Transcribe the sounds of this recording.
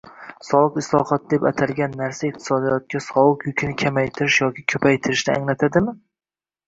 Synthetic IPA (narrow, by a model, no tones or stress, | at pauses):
sɒwˠɨqɪslˠɒ̰hɒt̪̚d̪e̞pat̪ʰalɡʲanːaɾsaiq̚t̪ʰɪ̥sɒd̪ijɒt̪̚kʲasɒlˠɨqjʊkʲʰɪnɪkʲʰamajt̪ʰɪɾɪʃjɒkʲʰɪkʲʰɵpʰajt̪ʰɪɾɪʃnɪa̰ŋlat̪ʰad̪ɪmɪ